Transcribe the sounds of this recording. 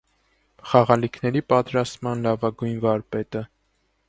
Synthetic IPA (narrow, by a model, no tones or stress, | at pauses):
χɑʁɑlikʰnɛɾipɑt̪ɾɑst̪mɑnlɑvɑɡujnvɑɾpɛt̪ə